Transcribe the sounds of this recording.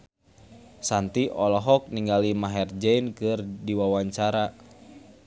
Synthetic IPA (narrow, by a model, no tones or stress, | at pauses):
sant̪iʔɔlɔɦɔk̚niŋɡalimaɦɛrd͡ʒɛinkɨrdiwawaɲt͡ʃaɾa